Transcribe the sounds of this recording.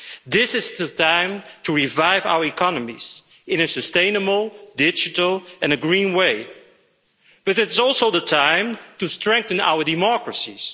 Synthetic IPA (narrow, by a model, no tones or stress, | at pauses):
ðɪsɨzðətʰãɪ̃mtʰɨɹivaɪva̰ʊə˞ɨkʰɑnəmḭz̥ | ɨ̃nɨsɨstẽɪ̃nəbl̩ˠdɪd͡ʒɨtl̩ˠɨ̃nɨɡɹĩnweɪ | b̥ʌɾɨtzɔlˠsoʊðətʰãɪ̃mtɨstɹ̥ɛ̃ŋk̚θɨ̃na̰ʊə˞dɨmɑkɹɨsiz̥